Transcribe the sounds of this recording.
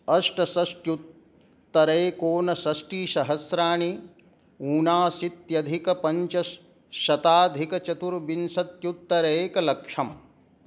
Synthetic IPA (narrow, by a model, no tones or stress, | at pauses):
ɐʂʈɐsɐsʈjut̪ː | ɐɾeːkoːnɐsɐʃʈiːʃɐɦɐsɾaːɳi | uːnaːsit̪jɐd̪ʱikɐpɐɲt͡ʃɐ | ʃɐt̪aːd̪ʱikɐt͡ʃɐt̪uɾbinsɐt̪jut̪ːɐɾeːkɐlɐkʂɐm